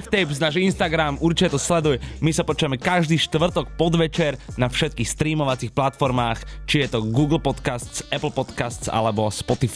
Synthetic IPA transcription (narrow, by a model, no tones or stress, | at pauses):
t̪ɛbznaːʒinst̪aɡɾamuɾt͡ʃicɛt̪ɔslɛd̪ujmisapɔt͡ʃuʋamɛkaʒd̪iːʃt̪ʋr̩t̪ɔkpɔd̪ʋɛt͡ʃɛɾnafʃɛt̪̚kiːxst̪ɾiːmɔʋat͡siːxplat̪fɔɾmaːxt͡ʃijɛt̪ɔɡuːɡl̩pɔt̪kast͡sɛpl̩pɔt̪kast͡sa̰lɛbɔspɔt̪if